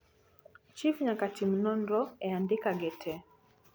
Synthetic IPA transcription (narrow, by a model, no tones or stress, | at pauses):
t͡ʃifɲakatim̩nɔnɾɔɛandikaɡɛtʰɛ